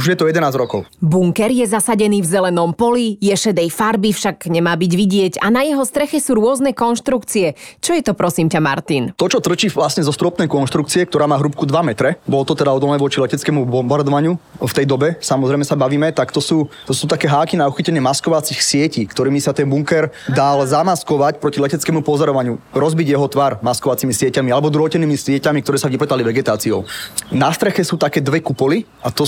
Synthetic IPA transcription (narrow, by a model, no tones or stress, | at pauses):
uʒjɛt̪ɔjɛd̪ɛnaːzɾɔkɔʊbuŋkɛɾjɛzasaɟɛniːvzɛlɛnɔmpɔlijɛʃɛd̪ɛjfaɾbifʃaɡɲɛmaːbiɟʋiɟɪɛɟanajɛɦɔst̪ɾɛxɛsuːɾʊɔznɛkɔnʃt̪ɾukt͡siɛt͡ʃɔjɛt̪ɔpɾɔsiːmcama̰ɾt̪int̪ɔt͡ʃɔt̪r̩t͡ʃiːʋlasɲɛzɔst̪ɾɔpnɛjkɔnʃt̪ɾukt͡siɛk̚t̪ɔɾaːmaːɦɾup̚kud̪ʋamɛt̪ɾɛbɔlɔt̪ɔt̪ɛd̪aɔd̪ɔlnɛːʋɔt͡ʃilɛcɛt͡skɛmubɔmbaɾd̪ɔʋaɲɪuft̪ɛjd̪ɔbɛsamɔzɾɛjmɛsabaʋiːmɛt̪akt̪ɔsuːt̪ɔsuːt̪akɛːɦaːkinauxicɛɲɪɛmaskɔʋat͡sixsɪɛciːkt̪ɔɾiːmisat̪ɛnbuŋkɛɾd̪alzamaskɔʋacpɾɔcilɛcɛt͡skɛːmupɔzɔɾɔʋaɲuɾɔzbiɟjɛɦɔt̪ʋaɾmaskɔʋat͡simisɪɛcamialɛbɔd̪ɾɦɔcɛnːiːmisɪɛcamik̚t̪ɔɾɛːsaʋipɛt̪aliʋɛɡɛt̪aːt͡siɔʊnast̪ɾɛxɛsuːt̪akɛːd̪ʋɛkupɔli | at̪ɔ